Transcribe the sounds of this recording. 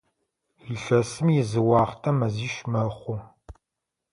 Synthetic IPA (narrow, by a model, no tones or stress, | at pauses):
iɬɐsɨmjɪzɨwɑːχtʰɐmɐziːʃmɐχʷʊ